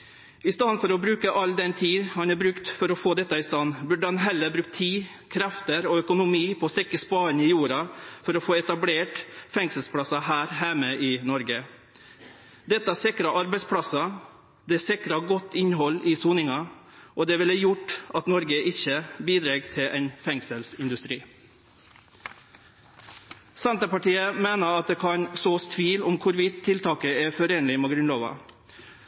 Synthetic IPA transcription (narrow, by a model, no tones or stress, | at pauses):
ɪst̪ɑnfɔɾɔbɾʉːkəʔɑlːd̪ɛnt̪ʰiːhɑnæbɾʉkt̪fɔɾɔfoːd̪ɛt̪ːɑɪst̪ɑnːbʉɖəhɑnɦɛlːəɾbɾʉk̚t̪ʰːiːkʰɾɛft̪əɾɔœkʊnʊmiːpʰɔːst̪ɛkːəspɑːənɪjuːɾɑfɔɾɔfoːɛt̪ɑbleːʈfɛŋsəlspʰɽɑsɑɦæːɾɦæɪməɪnɔɾɡə | d̪ɛt̪ːəæsɪkɾɑʔɑɾbɛɪspʰɽɑsɑ | d̪ɛsɪkɾɑɡɔt̪ːɪnɦɔlːɪsuːnɪŋɑ | ʔoːd̪ɛːʋɪləjʊʈːɑt̪nɔɾɡəʔɪçəbiːd̪ɾeːɡt̪ʰɪʔɛɪnfɛŋsəlsɪnd̪ʉst̪ɾiː | sɛnt̪əpɑʈiːəmeːnəɑt̪̚d̪eːkʰɑɲsoːst̪ʰʋiːlʊmkʰʊɾʋɪt̪t̪ʰːɪlt̪ʰɑːkəɛfɔɾeːnlɪmɛɡɾʉnloːʋɑ̰